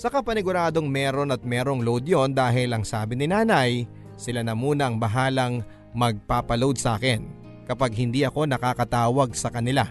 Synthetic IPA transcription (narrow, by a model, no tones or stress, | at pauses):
sɐkɐpɐnɪɡʊɾaːd̪o̞ŋmɛːɾo̞nɐt̪̚mɛɾoŋlowd̪jond̪aːɦɪlɐŋsaːbɪnɪnaːnɐj | sɪlanɐmuːnɐʔɐŋbɐɦaːlɐŋ | mɐɡ̚paːpɐlowd̪̚sʔa̰ːkɛn | kɐpaɡhɪnd̪iʔɐko̞nɐkaːkɐt̪aːwɐɡ̚sɐkɐnɪla